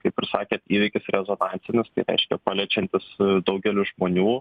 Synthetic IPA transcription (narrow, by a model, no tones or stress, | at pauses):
kɐɪpɪrʲsɑːkʲeːt̪iːʋʲɪkʲɪsɾʲɛzoːnɑːnʲtt͡s̪ʲɪnʲɪst̪ɐɪɾʲɛ̰ɪʃʲkʲɛpɑːlʲɛt͡ʃʲɛnʲt̪ʲɪsd̪ɐʊɡʲɛlʲʊʒmoːnʲuː